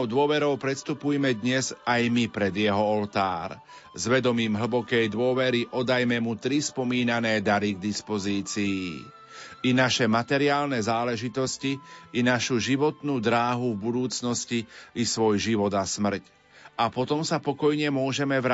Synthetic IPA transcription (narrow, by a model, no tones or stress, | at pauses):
ʊd̪ʊɔʋɛɾɔʊpɾɛt̪st̪upujɛmɛd̪ɲɛzajmipɾɛd̪jɛɦɔɔlt̪aːɾ | zʋɛd̪ɔmiːmɦl̩bɔkɛjd̪ʊɔʋɛɾiʔɔd̪ajmɛmut̪ɾispɔmiːnanɛːd̪aɾiɡd̪ispɔziːt͡siiː | inaʃɛmat̪ɛɾiaːlnɛzaːlɛʒit̪ɔsciʔinaʃuʒiʋɔt̪nuːd̪ɾaːɦuvbud̪uːt͡snɔsciisʋɔjʒiʋɔd̪asmr̩c | apɔt̪ɔmsapɔkɔjɲɛmʊɔʒɛmɛʋɾa